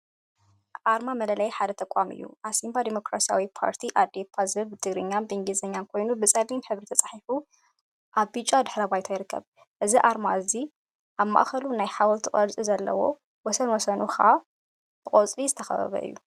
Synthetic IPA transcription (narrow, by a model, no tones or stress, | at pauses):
ʔaɾmamɐlɐlɐjħad̪ɐt̪ʰɐkʼamɨ̰jːṵʔasimbad̪emo̞kɾasija̰wipʰa̰ɾt̪ʰiʔad̪epʰazɨβbɨt̪ʰɨɡɾɨɲːanbɨɨŋɡizɐɲːankʰo̞jnubɨsʼɐlinħɨβɾit̪ʰɐt͡sʼḁħifu | ʔaβbɨt͡ʃʼːad̪ɨħɾɐbajt̪ʰajɪɾɨkːɐ̰β | ʔɨziʔaɾmaɨzi | ʔaβma̰ʔxɐlunajħawɔlt̪ʰikʼɐlt͡sʼizɐlːɐ̰wo̞̰ | wɔsɐnwɔsɐnuxɐʔa | bɨkʼot͡sʼlizɨt̪ʰɐxɐ̰βɐ̰βɐ̰ʔɨ̰jːu